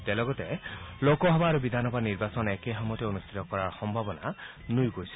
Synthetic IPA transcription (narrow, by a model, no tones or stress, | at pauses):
tɛlɔɡɔtɛlokɔɦɔbaːɹubid̪ʱanɔbʱaniɹbasɔnɛkeɦɔmɔtɛonust̪ʰit̪ɔkɔɹaɹxɔmbʱabɔna̰ | nujɡojsi̥